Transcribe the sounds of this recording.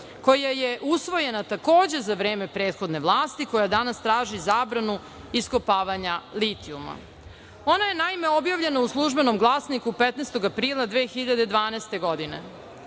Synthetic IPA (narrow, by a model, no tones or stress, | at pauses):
ko̞jajeʔusʋo̞je̞nat̪ako̞ːd͡ʑe̞zaʋɾe̞ːme̞pɾeːt̪xo̞d̪ne̞ʋlˠaːst̪iko̞jad̪anast̪ɾaːʒizaːbɾanu | iskopaːʋaɲalit̪iuma̰ | o̞naje̞naime̞objaʋʎe̞nauslˠuʒbe̞no̞mɡlˠaːsnikupet̪nest̪o̞ɡapɾiːlˠad̪ʋeːxiʎad̪ed̪ʋaːnɛst̪e̞ɡo̞d̪inḛ